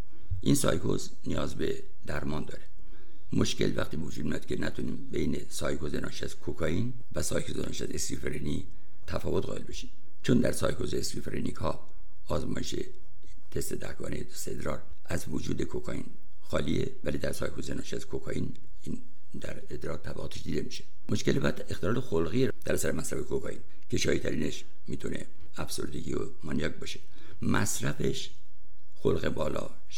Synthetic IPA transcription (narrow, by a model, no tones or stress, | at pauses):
ʔinsɒːjkʰoz | nijɒːzbe̞ | d̪æɾmɒːnd̪ɒːɾe | moʃkʰe̞lvæxt̪ʰiːbevod͡ʒuːd̪̚mijɒːd̪̚kʰenʔæt̪ʰuniːmbejnesɒːjkʰozenʔɒːʃiæzkʰokʰɒin | væsɒːjkʰozenɒ̰ʃæzeskifeɾeni | t̪ʰæfɒːvot̪ɣɒ̰ːelbeʃiːm | t͡ʃʰond̪æɾsɒːjkʰo̞zeeskifeɾḛnʔikʰhɒː | ɒːzmɒːjeʃḛ | t̪ʰest̪e̞d̪æ̰hkɒ̰ːnejeosed̪ɾɒːɾ | ʔæzvod͡ʒuːd̪ekʰokʰɒːḭn | xɒːlievælid̪æɾsɒ̰ːjkʰozenɒʃæzkʰokʰɒːʔin | in | d̪æɾed̪ɾɒːt̪ʰːæbæʁoːt̪ʰeʃd̪iːd̪e̞miʃe̥ | moʃkelbɒd̪ext̪elɒːlexolɣi | d̪̥æɾæsæɾemæsɾæfekʰokʰɒːʔin | kʰe̞ʃɒːjit̪ʰæɾiːneʃ | miːt̪ʰune̞ | æfso̞̰ɾd̪eɡḭːo | mɒnijɒːkbɒʃe̥ | mæsɾæfe̞ʃ | xolɣebɒːlɒ̰ː